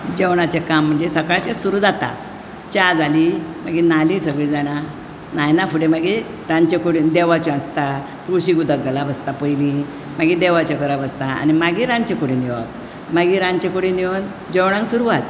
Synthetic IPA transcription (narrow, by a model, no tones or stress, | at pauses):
d͡ʑewɳ̃at͡ɕekam̤ːəɳd͡zesəkajt͡ɕesuɾud͡zat̪a̰ | t͡ɕad͡zalimaɡinalisəɡɭiːd͡zaɽ̃a | najnafuɽemaɡi | ɾãnt͡ɕekuɽĩnd̪eʋat͡ɕiast̪a | kɾuɕiɡud̪əɡəlabəst̪apəjli | maɡid̪eʋat͡ɕekəɾabəst̪aa̰nimaɡiɾant͡ɕẽkuɽĩniʋa̰p̚ | maɡiɾãnt͡ɕẽkuɽiniən | d͡ʑewɽ̃ãŋksuɾuʋat̪̚